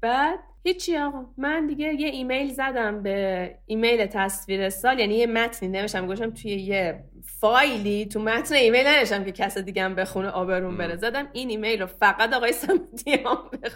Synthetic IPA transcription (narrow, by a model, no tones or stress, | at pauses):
b̥æːd̪̥̚hit͡ʃʰːiɒːɣɒmænd̪iɟe̞jeiːme̞jlzæd̪æmbe̞iːmejlet̪ʰæsviːɾesɒːljænijemæt̪ʰnineveʃæmɡoeʃ̬æmt̪ʰujeje | fɒjlit̪ʰumæt̪ʰneiːme̞jlnæveʃt̪æmke̞cʰæsed̪iɡæmbe̞xuneʔɒːbeɾuːnbe̞ɾezæd̪æminiːmejlrofæɣæt̪ɒːɣɒːjesæmid̪ijemɔmbex